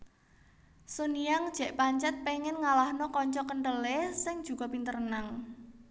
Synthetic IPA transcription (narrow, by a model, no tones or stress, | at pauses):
soniaŋd̥ʒ̥ɛ̤ʔpaɲt͡ʃɛt̪̚peŋɪnŋalahnɔkɔɲt͡ʃɔkəɳʈəlesɪŋd̥ʒ̥ṳkɔ̤pint̪ərənaŋ